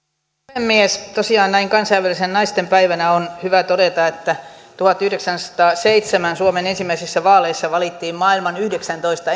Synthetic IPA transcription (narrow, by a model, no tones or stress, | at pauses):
emːiest̪osiɑːnnæiŋkɑnsɑiʋælisennɑist̪empæiʋænæonhyʋæt̪odet̪ɑet̪ːæt̪uhɑt̪yhdeksænsɑ̥t̪ɑːseit̪semænsuomenensimːˑæisisːæʋɑːleisːɑʋɑlit̪ːiːmmɑːilmɑnyhdeksænt̪oist̪ɑ